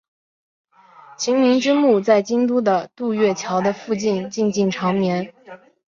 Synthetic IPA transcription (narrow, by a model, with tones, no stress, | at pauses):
t͡ɕʰi˧˥ŋmi˧˥nʈ͡ʂɻ̩˥mu˥˧t͡sa˥˩ɪt͡ɕi˥ŋt̪u˥d̪ə˨t̪u˥˧ɥɛ˥˩t͡ɕʰjɑ˧˥ʊd̪ə˧fu˥˧t͡ɕi˥˧nt͡ɕi˥˧nt͡ɕi˥˩ŋʈ͡ʂʰɑ˧˥ŋmjɛ˧˥n